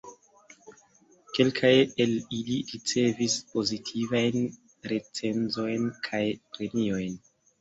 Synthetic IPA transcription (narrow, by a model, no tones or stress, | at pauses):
ke̞lkʰaje̞liliɾit͡se̞vispo̞zitʰivajn | ɾe̞t͡se̞nzo̞jnkʰajpɾe̞mio̞jn